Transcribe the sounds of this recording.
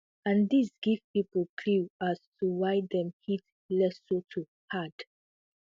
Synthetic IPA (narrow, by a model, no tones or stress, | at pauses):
ãnd̪isɡ̥iv̥pipəl̩kʰluastuwajd̪ɛ̃mhit | lɛsotʰu | had̥